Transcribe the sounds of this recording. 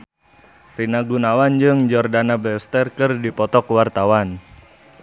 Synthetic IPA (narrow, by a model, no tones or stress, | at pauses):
rinaɡunawand͡ʒɨŋd͡ʒɔrdanabɛst̪ɛrkɨrdipɔt̪ɔkwart̪awan